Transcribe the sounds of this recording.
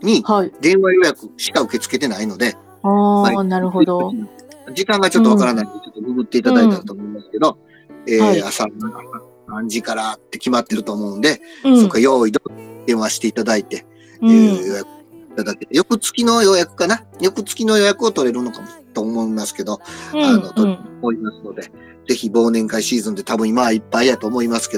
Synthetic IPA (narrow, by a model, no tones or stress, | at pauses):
ɲ̟ihaid̪ẽ̞ɰ̃βajo̞jakɯ̟ɕi̥kaɯ̟ke̞t͡sɨ̥ke̞t̪e̞naino̞d̪e̞ | hainaɾɯhod̪oiad͡ʑikãŋɡat͡ɕo̞t̪ːoβakaɾanait̪et͡ɕo̞t̪ːomiɡɯ̟t̪ːe̞it̪ad̪ait̪et̪at̪o̞ːmo̞imasɨ̥ke̞d̪o̞ | eːasaaasa | sãɲ̟d͡ʑikaɾat̪ːe̞kʲimat̪ːe̞ɾɯt̪o̞ːmo̞ɯ̟nd̪e̞sokːaajo̞ːid̪od̪̥ẽ̞ɰ̃βaɕi̥t̪e̞it̪ad̪ait̪e̞ | jo̞jakɯ̥it̪ad̪aket̪ejo̞kɯ̟t͡sɨ̥kʲino̞jo̞jakɯ̟̥kanajo̞kɯ̟t͡sɨ̥kʲino̞jo̞jakɯ̟ot̪o̞ɾe̞ɾɯ̟no̞kamot̪oːmo̞imasɨ̥ke̞d̪o̞ano̞t̪oɾeoo̞imasɨno̞d̪e̞ | d͡ze̞çibo̞ːnẽ̞ŋkaiɕiːzɨ̃nd̪e̞t̪ʰabɯ̟̃imaipːaid̪at̪o̞ːmo̞imasɨ̥ke̞do